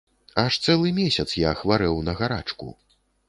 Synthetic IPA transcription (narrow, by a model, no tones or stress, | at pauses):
aʂt̪sɛlˠɨmʲesʲɐt̪sjaxvaɾɛwnɐɣaɾa̰t͡ʂkṵ